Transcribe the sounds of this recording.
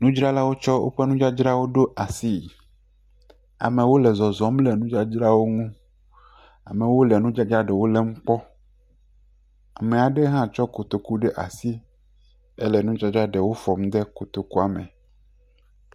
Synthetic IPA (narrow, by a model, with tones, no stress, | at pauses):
nũ˦d͡ʒɾa˦la˦wo˦t͡ʃɔ˦wʔo̰˦ɸe˦nũ˦d͡ʒa˦d͡ʒɾa˦wo˦ɖo˦ʔa˨si˦˨ | a̰˨mẽ˨wo˦lɛ˨zɔ˨zɔ˨mlɛ˨nũ˦d͡ʒa˦d͡ʒɾa˦wo˦ŋũ˦ | a̰˨mɛ̃˨wo˦lɛ˨nũ˦d͡ʒa˦d͡ʒɾa˦ɖɛ˨wo˦lɛ˦m̩˦k͡pɔ˦ | a˨mẽ˨a˨ɖe˦ɦã˦t͡ʃɔ˦ko˨t̪o˨ku˦ɖɛ˦ʔa̰˨si˦ | ɛ˦lɛ˨nũ˦d͡ʒa˦d͡ʒɾa˦ɖɛ˨wo˦fɔ˨m˦d̪e˦ko˨t̪o˨ku˦a˨mḛ̃˨